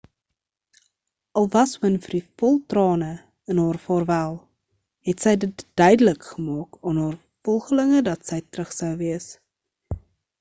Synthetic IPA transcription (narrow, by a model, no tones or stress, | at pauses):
ʔɐlˠvɐswənfərifɔlˠtrɑːnə | ənɦɑːrfɑːrvælˠ | ɦɛtsɛjdətd̥œɥdələkχəmɑːkɑːnɦɑːr | fɔlˠχələŋədɐtsɛjtrəχsəwviəs